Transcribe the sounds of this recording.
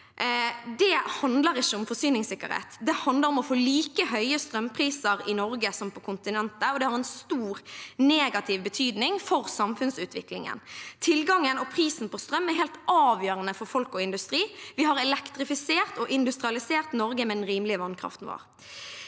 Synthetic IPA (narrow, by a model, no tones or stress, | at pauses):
d̪ɛhɑnd̪ləʁɪʃːəɔmfɔsyːnɪŋsɪkːəɾhḛːt̪d̪ɛhɑnd̪ləɾɔmɔfoːliːkəɦœʏəst̪ɾœmpʰɾiːsəɾɪnɔɾɡəsɔmpɔkʰʊnt̪ɪnɛnt̪əɔd̪ɛhɑʁɛnst̪uːʁneːɡɑt̪ʰɪʋbət̪ʰyːd̪nɪŋfɔʁsɑmfʉnsʉːt̪ʋɪklɪ̰ŋə̰nt̪ʰɪlɡɑŋənɔpʰɾiːsn̩pɔst̪ɾœmːɛɾɦɛːlt̪ʔɑːʋjøːɾənəfɔɾfɔlkɔɪnd̪ʉst̪ɾiːʋɪhɑɾɛlɛkt̪ɾɪfɪseːʁt̪ɔʔɪnd̪ʉst̪ɾɪɑlɪseːʁt̪nɔɾɡəmɛd̪ɛnɾiːmlɪəʋɑnkʰɾɑ̰ft̪n̩ʋo̰ːʁ